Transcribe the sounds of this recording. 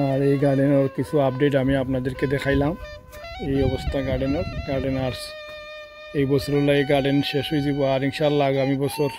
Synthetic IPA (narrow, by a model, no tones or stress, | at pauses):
aɹejɡaɾɖenɔɹkisʰuapdeʈamiapnad̪eɹked̪ɛkʰajlam | ejɔbɔst̪ʰaɡaɖenɔɾɡaɾɖenaɹs | ejbɔsʰɔɾɔlaɡaɾɖenʃeʃɦojzibɔaɾiŋʃalaɡamibɔsʰɔɾ